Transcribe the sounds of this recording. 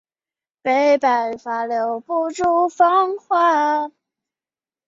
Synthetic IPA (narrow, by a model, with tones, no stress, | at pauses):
pe˧˥ɪpa˨˩ɪfa˧˥ljo˧˥ʊpu˥˧ʈ͡ʂu˥˧fɑ˥ŋxwa˥˩